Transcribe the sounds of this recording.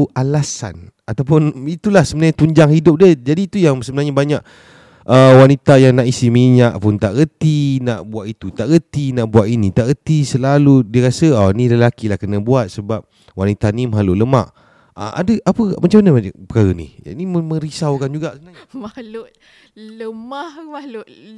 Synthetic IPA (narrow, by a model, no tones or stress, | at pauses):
ʔalasa̰n | at̪awpʊnit̪ulahsəbənaɲat̪uɲd͡ʒaŋhidʊp̚diəd͡ʒadiːt̪ujaŋsəbənaɦɲabaɲaʔ | əwanit̪ajaŋnaʔisimiɲaʔpʊnt̪aʔɣət̪inaʔbuat̪ʔit̪ut̪aʔɣət̪inaʔbuaʔ̪init̪aʔɣət̪isəlaludiəɾasəanĩləlakilahkənabuat̪̚səbap̚ | wanit̪animəɦalʊʔləma̰ʔ | ə̰ʔa̰dəʔapəmat͡ʃamanəpəkaɾənḭniməmə̃ɾisawkand͡ʒuɡaʔsəbənaɲamalʊʔ | ləmahmalʊʔ